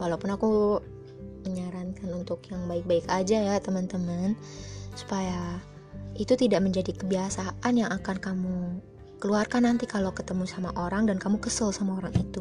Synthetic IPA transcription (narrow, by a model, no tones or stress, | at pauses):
walawpʊnaku | məɲaɾankanunt̪ʊkjaŋbaɪk̚baɪkad͡ʒajat̪əmənt̪əmən | su̥paja | it̪ut̪idaʔməɲd͡ʒadikəbiasaʔanjaŋakankamu | kəluarkanːant̪ikalokət̪əmusamaʔoɾaŋdankamukəsəlsamaoɾaŋit̪u